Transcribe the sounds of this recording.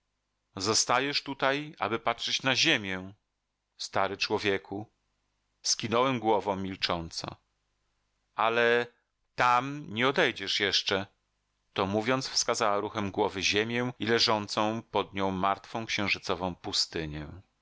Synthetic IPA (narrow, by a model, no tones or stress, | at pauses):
zɔst̪ajɛʂt̪ut̪aja̰bɘpatʂɛt͡ɕnaʑemʲjɛ | st̪aɾɘt͡ʂwɔvʲjekʰu | skʲinɔwɛmɡwɔvɔ̃w̃mʲilt͡ʂɔnt̪sɔ̰̃ | alɛ | t̪amɲɛɔd̪ɛjd͡ʑɛʂjɛʂt͡ʂɛ | t̪ɔmuvʲjɔnt̪sfskazawaɾuxɛmɡwɔvɘʑemʲjɛw̃ilɛʐɔnt̪sɔ̃w̃pɔd̪ɲɔ̃w̃mːaɾt̪fɔ̃w̃kɕɛ̃w̃ʐɘt̪sɔvɔ̃w̃pust̪ɘɲɛ